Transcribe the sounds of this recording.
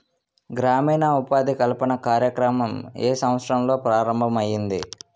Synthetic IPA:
ɡɾaːmiːnɐupaːd̪ʱikɐlpɐnɐkaːɾjɐkɾɐmɐmeːsɐ̃ʋɐt̪sɾɐmlo̞ːpɾaːɾɐmbʱɐmɐjːind̪i

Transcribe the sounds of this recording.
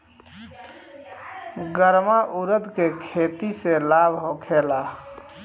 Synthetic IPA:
ɡəɾmaʔuɾəd̪kekʰet̪iselabʱɦokʰela

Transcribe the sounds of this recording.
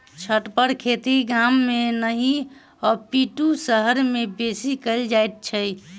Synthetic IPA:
t͡ʃʰəʈpəɾkʰet̪iɡamːenəɦi | ɔpiʈusəɦəɾmebesikəld͡ʒajt̪̚t͡ʃʰəj

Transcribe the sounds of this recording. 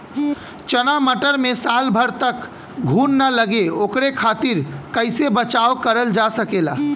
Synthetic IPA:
t͡ʃənaməʈəɾmesalbʱəɾt̪ək | ɡʱunːələɡeokɾekʰat̪iɾkəɪsebət͡ʃawkəɾəld͡ʒasəkela̰

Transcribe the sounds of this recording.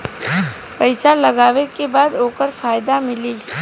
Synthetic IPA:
pɐɪsalɐɡaːʋekebaːd̪oːkəɾfaːjd̪amɪliː

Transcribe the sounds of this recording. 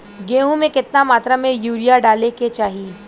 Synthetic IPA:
ɡeːɦũmẽkɪt̪namaːt̪ɾamẽjuːɾijaɖaːleket͡ʃaːɦi

